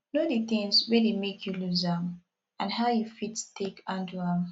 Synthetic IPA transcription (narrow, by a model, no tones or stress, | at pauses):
nodiθɪ̃ŋzwedemekʰjuluzãm | ãnhaʊjufitstekãntuãm